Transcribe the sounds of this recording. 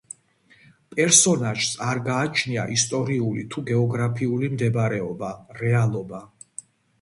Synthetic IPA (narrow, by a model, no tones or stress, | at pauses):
pʼɛɾsɔnaʒ̥saɾɡaːt͡ʃʰnia̰ʔist̪ʼɔɾiulit̪ʰuɡɛɔɡɾapʰiulimd̪ɛbɾɛɔbaɾɛalˠɔba